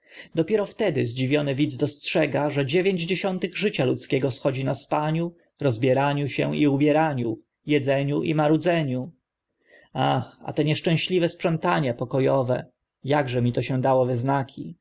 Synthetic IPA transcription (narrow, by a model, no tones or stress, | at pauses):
d̪ɔpʲjɛɾɔft̪ɛd̪ɪzd͡ʑivʲjɔnɘvʲid̪zd̪ɔstʂɛɡaʐɛd͡ʑevʲjeɲd͡ʑd͡ʑeɕɔnt̪ɘɣʐɘt͡ɕalut̪skʲɛɡɔsxɔd͡ʑinaspaɲu | ɾɔzbʲjɛɾaɲuɕɛ̰̃iubʲjɛɾaɲu | jɛd̪zɛɲuʔḭmaɾud̪zɛɲu | axa̰t̪ɛɲɛʂt͡ʂɛ̃ɕlʲivɛspʂɛnt̪aɲɛpɔkɔjɔvɛ̰ | jaɡʐɛmʲit̪ɔɕɛ̃d̪awɔvɛznakʲʰḭ